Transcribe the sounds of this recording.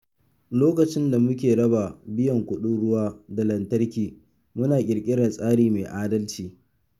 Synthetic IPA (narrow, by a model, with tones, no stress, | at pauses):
loː˦kɐ˨t͡ʃɪ˦nda˨mʊ˦kʲeː˨ɽɐ˦ba˨bɪ˦jɐ˨ŋkʷʊ˦ɗʊ˦ɽʊ˦waː˦da˨lɐ˨ntɐ˦rkʲiː˨ | mʊ˦naː˨kʲʼɪ˨ɾkʲʼɪ˦ɽaː˨sʼaː˦ɽiː˦meː˨ʔaː˦dɐ˦lt͡ʃiː˨